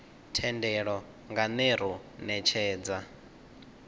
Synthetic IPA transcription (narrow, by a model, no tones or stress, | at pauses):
tʰɛndɛɺɔ | ŋɡanɛɾ̤u | nɛt͡ʃʰɛːd͡za